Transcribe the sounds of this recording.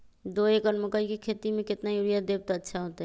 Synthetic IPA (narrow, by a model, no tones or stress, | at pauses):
d̪oekɔnmʊkəikekʰet̪imẽkɪt̪najuɾijad̪eb̚t̪aətːʃʰaɦot̪eɦɛ